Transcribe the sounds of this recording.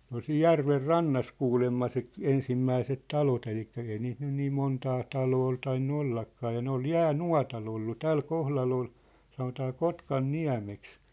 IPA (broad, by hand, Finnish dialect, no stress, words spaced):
ol siːj jærʋer rɑnːɑs kuːlemːɑ se k ensimːæiset tɑlot elikːæ ei niːt nyn niːm montɑː tɑloː ol tɑinːu olːɑkːɑː jɑ ne ol jæːnuɑ̝tɑl olːu tæl kohlɑl ol sɑnotɑː kotkɑnːiæ̝meks